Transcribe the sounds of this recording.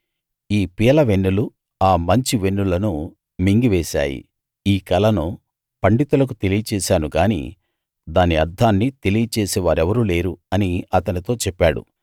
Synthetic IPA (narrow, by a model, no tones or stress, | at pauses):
iːpijɐlɐʋe̞nːulu | aːmɐɲt͡ʃiʋe̞nːulɐnu | miŋɡiʋɛːsa̰ːjḭ | iːkɐlɐnu | pɐɳɖit̪ulɐk̬ut̪e̞lijɐt͡ʃɛːsaːnuɡaːnḭː | d̪aːniɐɾd̪ʱːaːnːit̪e̞lijɐt͡ʃɛːsɛːʋaːɾɛʋɐɾuːle̞ːɾuɐniɐt̪ɐnit̪o̞ːt͡ʃɛpːaːɽṵ